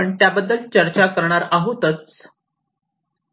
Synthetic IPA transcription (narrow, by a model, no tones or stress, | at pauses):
əɳt̪jabəd̪ːəlt͡ɕəɾt͡ɕakəɾɳ̃aɾaɦot̪ət͡s